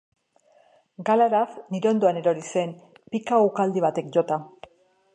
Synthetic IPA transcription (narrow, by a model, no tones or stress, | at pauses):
ɡalaɾafniɾo̞nd̪oane̞ɾo̞ɾise̞n | pikaukald̪iβat̪e̞kʝo̞t̪a